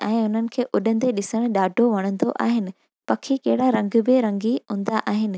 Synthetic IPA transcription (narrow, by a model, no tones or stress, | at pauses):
ɛ̃ːʊn̤ənɪ̆kʰeːʔʊɗən̆d̪eɗɪsəɽ̃ɗaːɖʱoʋɐɽ̃ə̃nd̪oʔa̰ːɦɪnɪ̆ | pɐkʰikɐɦɪɽaɾɐ̃ŋɡʊbɪɾɐ̃ŋɡiɦũːnd̪aʔaːɦɪnɪ̆